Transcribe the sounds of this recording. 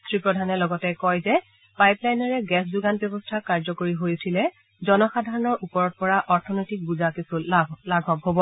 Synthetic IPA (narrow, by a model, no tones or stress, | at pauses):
sʰɹipɹɔdʱanɛlɔɡɔtɛkɔjzɛ | pajplajnɔɹɛɡɛsduɡanbjɛbɔstʰakaɹzɔkoɹiɦojsʰilɛ | zɔnɔxadʱaɹɔnɔɹʔupɔɹɔt̚pɔɹaʔɔɹtʰɔnojtik̚buzakisulaɡʱɔbɦobɔ